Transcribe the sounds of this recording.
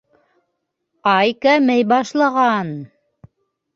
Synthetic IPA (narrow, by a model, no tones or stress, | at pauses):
ɑjkæmɘjbɑʃlˠɑʁɑn